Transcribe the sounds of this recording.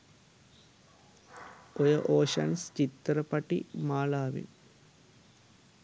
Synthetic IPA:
ojəʔoːʃə̰nst͡ʃit̪ːəɾəpaʈḭmaːlaːʋḭn

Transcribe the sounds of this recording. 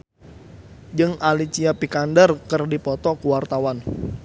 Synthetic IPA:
d͡ʒɨŋalit͡ʃiapikandərkɨrdipɔt̪ɔkuwart̪awan

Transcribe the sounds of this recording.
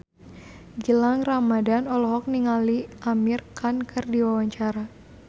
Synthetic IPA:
d͡ʒəlaŋramadanɔlɔɦɔk̚niŋaliʔamirkʰankərdiwawaɲt͡ʃaɾa

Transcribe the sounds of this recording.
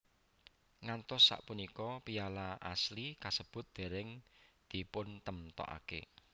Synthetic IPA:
ŋant̪ɔsːa̰ʔpunikɔpijalaʔa̰slikasəb̥ʊ̤t̪̚d̪̥e̤ɾɪŋd̪̥i̤pʊnt̪əmt̪ɔ̰ʔa̰kḛ

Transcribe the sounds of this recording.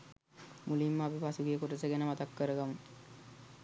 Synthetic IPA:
mulimːəapipasuɡijəkoʈəsəɡænəmat̪akːəɾəɡamu

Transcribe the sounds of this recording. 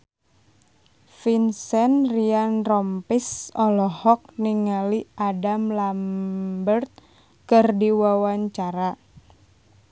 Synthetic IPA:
finsɛnrianrɔmpisɔlɔhɔk̚niŋaliʔadamlambərt̪̚ | kɨrdiwawaɲt͡ʃaɾa

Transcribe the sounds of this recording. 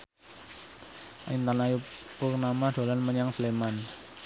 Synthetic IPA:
ʔint̪anajupurnamaɖ̪̥o̤lanməɲaŋsəleman

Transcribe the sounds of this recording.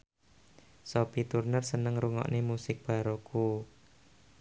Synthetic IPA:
sopit̪urnərsənəŋruŋɔ̰ʔnemusɪk̚b̥a̤ɾokʰu

